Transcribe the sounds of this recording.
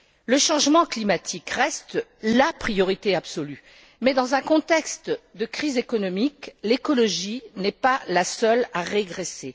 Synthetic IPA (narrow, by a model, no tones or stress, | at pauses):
ləʃɑ̃ʒmɑ̃klimat̪ʰikʁɛst̪lapχijɔʁit̪eabsɔly | mɛd̪ɑ̃zɛ̃kɔ̃t̪ɛkst̪d̪əkχizekɔnɔmiklekɔlɔʒinɛpalasœlaʁeɡʁese